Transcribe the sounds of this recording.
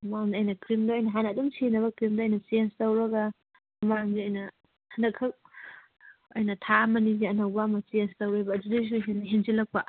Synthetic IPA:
mamdɐjnɐkɾimdɐojnɐɦanɐːdumsʰinɐβɐkɾimdɐːjnɐsienstɐwɾɐɡɐ | ɐmaŋziɐjnɐ | hɐndɐkʰːɐk̚ | ojnɐtʰamɐniziɐnɐwbɐmɐsienstɐwɾebɐːdudejs̬uɦenɐɦenzilɐk̚pɐ

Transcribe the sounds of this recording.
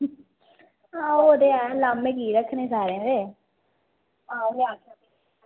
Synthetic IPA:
ãːoːd̪eːɛːlaːmẽːkiːɾəkʰnẽːsaːɾẽːd̪eː | ãːmaːka

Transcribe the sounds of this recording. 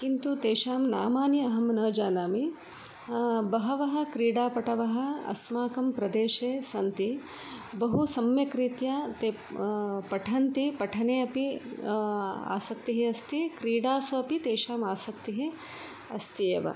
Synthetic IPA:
kint̪ut̪eːʃaːmna̰ːmaːnjiɐɦɐmnɐːd͡ʒaːnaːmi | bɐɦɐʋɐɦɐ̆kɾiːɽaːpɐʈɐʋɐɦɐ̆ɐ̰smaːkɐmpɾɐd̪eːʃeːsɐnt̪i | bɐɦusɐmjɐkɾit̪jaːt̪eː | pɐʈʰɐnt̪ipɐʈʰɐneːɐpi | a̰ːsɐk̚t̪iɦeɐst̪ikɾiːɽaːsɐɐpit̪eːʃaːmaːsɐk̚t̪iɦe | ɐst̪ijeːʋɐ̰

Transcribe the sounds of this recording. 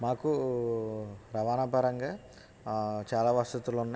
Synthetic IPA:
maːku | ɾɐʋaːnɐpɐɾɐŋɡaː | t͡ʃaːlaːʋast̪ut̪ulunːa

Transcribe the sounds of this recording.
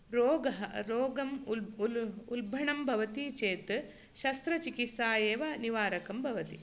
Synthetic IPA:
ɾoːɡɐɦɐɾoːɡɐm | ulbʱɐɳɐmbʱɐʋɐt̪it͡ʃeːt̪ɨ | ʃɐst̪ɾɐt͡ʃikisaːjeːʋɐniʋaːɾɐkɐmbʱɐʋɐt̪i

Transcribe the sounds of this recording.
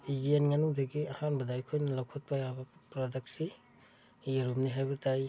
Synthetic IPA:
id͡ʒienŋanuŋdɐɡiahanbɐdaajkʰojnɐlawkʰot̚pajabɐpɾodek̚si | jeɾumniɦajbɐtaj

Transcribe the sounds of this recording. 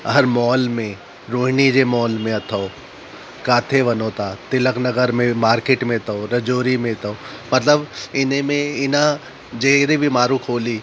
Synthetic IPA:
ɦɐɾmɔːlmẽ | ɾoːɦnid͡ʒemɔːlmẽɐt̪ʰoo | kaːt̪ʰeʋɐnoːt̪at̪ɪləknɐɡəɾmẽmaːɾkeːʈmẽt̪ooɾɐd͡ʒoːɾimẽt̪oomɐt̪ləbɪnẽmẽɪnã | d͡ʒeːɾebʱimaːɾukʰoːliː

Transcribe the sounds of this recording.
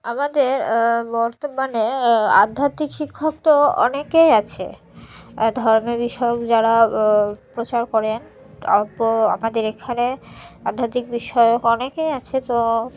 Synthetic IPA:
amad̪eɾbɔɾt̪omanea̰d̪ʱːat̪ikʃikʰːok̚t̪oɔ̰nekejat͡ɕʰḛ | d̪ʱɔɾmebiʃɔeokd͡ʑaɾa | pɾot͡ɕaɾkɔɾen | ɔ̰poa̰mad̪eɾekʰanead̪ʱːat̪ik̚biʃɔjokɔnekejat͡ɕʰet̪o

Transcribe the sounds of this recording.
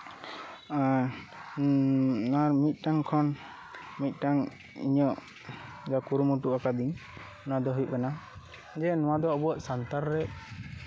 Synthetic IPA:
naɾmit̪̚ˀʈaŋkʰɔn | mit̪̚ˀʈaŋ | ḭɲɔʔ | d͡ʒakuɾumuʈuʔakad̪iɲ | nɔwad̪ɔɦujuʔkana | d͡ʒɛnɔwad̪ɔːbɔaʔsant̪aɾɾɛ

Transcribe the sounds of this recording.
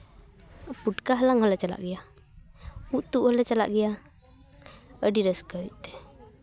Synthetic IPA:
puʈkaɦəlaŋhəlɛt͡ʃala̰ʔɡɛja | uʔt̪uʔhəlɛt͡ʃala̰ʔɡɛja | əɖiɾəskəjuʔt̪ɛ̥

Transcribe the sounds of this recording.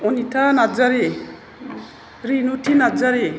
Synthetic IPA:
onit̪ʰanad͡zaɾe | ɾinutʰinad͡zaɾe

